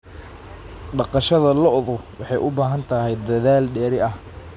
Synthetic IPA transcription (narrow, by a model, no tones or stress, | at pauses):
ɖɑqɑʃɐðɐlɔʔðʊwɑħɑjʔʊbaːɦɐnt̪ʰɐɦɛjd̪ɐðaːlɖɛːɾɪɐh